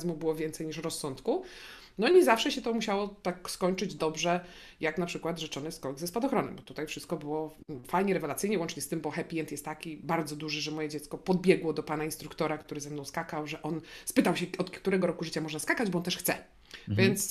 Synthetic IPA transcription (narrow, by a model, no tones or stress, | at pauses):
zmubɘwɔvʲjɛnt̪sɛjɲiʂɾɔsːɔnt̪ku | nɔɲɛzafʂɛɕɛt̪ɔmuɕawɔt̪akskɔɲt͡ʂɘd͡ʑd̪ɔbʐɛ | jaknapʂɘkwad̪ʐɘt͡ʂɔnɘskɔɡzɛspad̪ɔxɾɔnɛ̰mbɔt̪ut̪ajfʂɘst̪̚kɔbɘwɔfajɲɛɾɛvɛlat̪sɘjɲɛvwɔnt͡ʂɲɛst̪ɘmbɔxɛpʲiɛnt̪jɛst̪ːakʲibaɾd̪zɔd̪uʐɛʐɛmɔjɛd͡ʑɛt̪skɔpɔd̪̚bʲjɛɡwɔd̪ɔpanainst̪ɾukt̪ɔɾakt̪uɾɘzɛmnɔ̃w̃skakawʐɛʔɔnspɘt̪awɕɛɔt̪kt̪uɾɛɡɔɾɔkuʐɘt͡ɕamɔʐnaskakad͡ʑbɔɔnt̪ɛʂxt̪sɛ | vʲjɛnt̪s